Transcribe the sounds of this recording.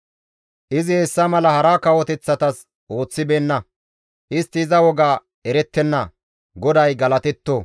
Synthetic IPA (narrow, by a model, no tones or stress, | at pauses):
ʔɪzɪhɛsːɐmɐlɐhɐɾakɐwɔt̪ɛt͡sːɐt̪ɐs | ʔo̞ːt͡sːɪbe̞ːnːɐ | ʔɪst̪ːɪːzɐwɔɡaː | ɛɾɛt̪ːɛnːɐ | ɡɔd̪ɐjɡɐlɐt̪ɛt̪ːoː